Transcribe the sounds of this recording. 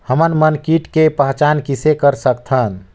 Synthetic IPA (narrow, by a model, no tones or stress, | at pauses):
həmənmənkiʈkepəɦt͡ʃankisekəɾsəkt̪ʰən